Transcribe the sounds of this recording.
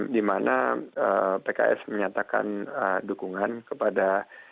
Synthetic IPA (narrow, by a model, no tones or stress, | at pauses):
dimanʔaəpeka̰ʔɛ̰sməɲat̪aka̰nədukuŋankəpada